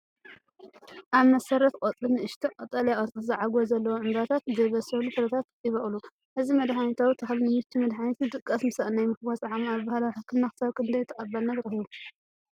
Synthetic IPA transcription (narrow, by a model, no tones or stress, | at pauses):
ʔaβmɐsɐɾɐt̪qʼot̪ʼɨnɨʔɨʃt̪ʰiqʼɐt̪ʼɐljaʔʼɐt͡s̪ʼɨzɨʕaɡozɐlːɐwoʕɨmbat̪ʰat̪zɐβɐsɐlufʰɨɾɐt̪ʰat̪jɪβɐχʼlu | ʔɨzimɐd̪ħanet̪ʰawit̪ʰɨxlnɨmɨt̪ʰːimɐd̪ħanet̪id̪ɨkʼːɐsmɨsaʔʼnajmɨkbasʼaʕamabahalawħɨkʰːɨmnaxɨsɐβkʰɨnd̪ɐjt̪ʰːɐχʼɐbːɐlnajɨɾɐhiβu